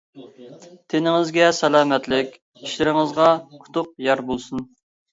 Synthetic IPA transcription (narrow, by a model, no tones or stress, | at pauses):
t̪ʰenɪŋɪzɡʲɛsɛlˠɑːmɛt̪lɪkʲ | iʃlɪɾɪŋɨzʁɑqʰʊ̥t̪ʰʊq̚jɑɾbolˠsun